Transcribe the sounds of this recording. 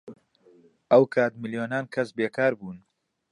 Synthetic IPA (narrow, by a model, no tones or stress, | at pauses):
ʔɐwkʰaːt̪mɨljoːnaːnkʰɐsbeːkʰaːɾbuːn